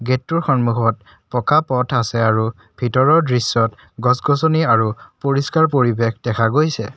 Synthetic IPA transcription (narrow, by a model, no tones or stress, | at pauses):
ɡetːuɹxɔnmuxɔt̚ | pɔkapɔtʰasɛaɹu | b̥ʱitɔɹɔɹdɹisːɔt | ɡɔsɡɔsɔniaɹupoɹiskaɹpoɹibexd̥ɛkʰaɡojsɛ